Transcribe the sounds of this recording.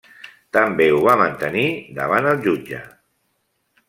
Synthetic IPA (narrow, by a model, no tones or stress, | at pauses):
t̪əmbeuβamənt̪ənid̪əβ̞anəlˠʒud͡ʒə